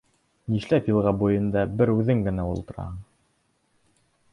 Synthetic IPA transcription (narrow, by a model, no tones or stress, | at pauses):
niʃlæpjɤ̆lˠʁɑbujɤ̆nd̪ɑbɘɾʉðɘŋɡɘ̆næulˠt̪ɤ̆ɾɑ̰hɤɴ